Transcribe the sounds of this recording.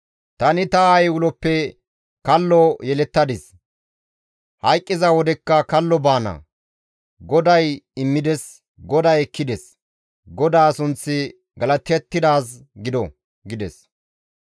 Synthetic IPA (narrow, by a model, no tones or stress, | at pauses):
t̪ɐnɪt̪ɐajwʊlɔpːɛ | kɐlːɔjɛlɛt̪ːɐd̪ɪs | hɐjkʼːɪzɐwɔd̪ɛkːɐkɐlːɔbaːnɐ̰ | ɡɔd̪ɐjɪmːɪd̪ɛs | ɡɔd̪ɐjɛkːɪd̪ɛs | ɡɔd̪aːsʊnt͡sːɪ | ɡɐlɐt̪ːɛt̪ːɪd̪aːs | ɡɪd̪ɔ | ɡɪd̪ɛs